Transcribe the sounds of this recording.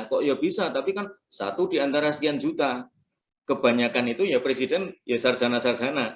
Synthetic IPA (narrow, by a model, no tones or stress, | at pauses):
kɔʔjab̥isat̪apikan | sa̰t̪udiant̪aɾasə̥kiand͡ʒut̪a | kəb̥aɲakanit̪ujapɾesidɛnjasarzanasarzana